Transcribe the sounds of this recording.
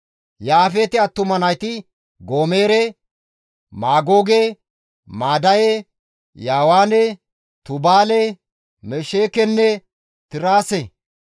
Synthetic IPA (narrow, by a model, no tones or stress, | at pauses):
jaːfet̪ɪɐt̪ːʊmɐnɐjt̪ɪ | ɡoːmeːɾɛ | maːɡoːɡe | maːd̪ɐjɛ | jaːwaːnɛ | t̪ʊbaːlɛ | mɛʃeːkɛnːɛ | t̪ɪɾaːse